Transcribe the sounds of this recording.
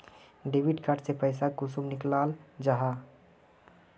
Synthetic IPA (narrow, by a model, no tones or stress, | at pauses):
ɖeʋiʈkaʈsepəɪsakʊsumnɪklaːld͡ʒaɦa